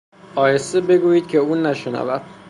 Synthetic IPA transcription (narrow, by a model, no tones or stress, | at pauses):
ɒːjesebe̞ɡuːjiːd̪̥̚cʲʰe̞uːnæʃenæ̰væ̰d̪̥̚